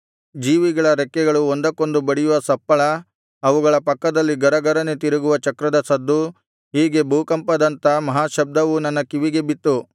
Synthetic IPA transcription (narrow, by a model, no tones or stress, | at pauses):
d͡ʒiːʋiɡɐɭɐɾɛkːɛɡɐɭuond̪ɐko̞nd̪ubɐɽijuʋɐsɐpːɐɭɐː | ʋuɡɐɭɐpɐkːɐd̪ɐlːiɡɐɾɐɡɐɾɐnet̪iɾɐɡuʋɐt͡ʃɐkɾɐd̪ɐsɐd̪ːu | ɦiːɡe̞bʱuːkɐmpɐd̪ɐnt̪ɐmɐɦaːʃɐb̚d̪ɐʋunɐnːɐkiʋiɡe̞bit̪ːu